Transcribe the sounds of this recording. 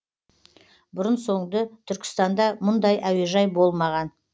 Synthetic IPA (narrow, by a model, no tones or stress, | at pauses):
bʊɾənso̞ɴd̪ət̪ʰʏɾkʲɪ̥st̪ɑnd̪ɑmʊnd̪ɑjʔæwe̞ʒɑjbo̞lˠmɑʁɑn